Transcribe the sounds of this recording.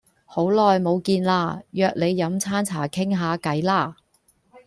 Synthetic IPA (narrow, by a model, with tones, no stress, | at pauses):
ho˨˥wlɔː˨jmo˨˧wkiː˧nlaː˧jœː˧k̚le˨˧jːɐ˨˥mt͡sʰaː˥nt͡sʰaː˨˩kʰɪ˥ŋɦaː˨˧kɐ˨˥jlaː˥˩